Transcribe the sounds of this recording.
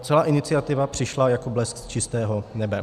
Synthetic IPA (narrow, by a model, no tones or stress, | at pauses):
t͡sɛlaːʔɪnɪt͡sɪat̪ɪvapr̝̥ɪʃlajako̞blɛskst͡ʃɪst̪ɛːɦo̞nɛbɛ